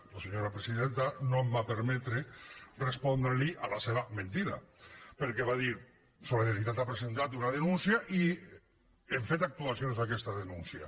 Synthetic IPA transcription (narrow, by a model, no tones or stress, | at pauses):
laseɲoɾapɾesiðent̪anombapeɾmɛt̪ɾerespɔnd̪ɾeliʔalaseβamẽnt̪iɾa̰peɾkeβaðiɾ | soliðaɾit̪at̪apɾesent̪at̪unaðenunsiaʔi | eɱfet̪ak̚t̪uasjonzðakɛst̪aðenunsia